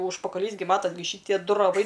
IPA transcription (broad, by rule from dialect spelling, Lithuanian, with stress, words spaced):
ʊʃpɐkɐˈlʲiːs ɡʲɪ ˈmɑːtɐsʲ ɡʲɪ ˈʃʲiːtʲiɛ ˈdʊ rɐˈʋɐɪ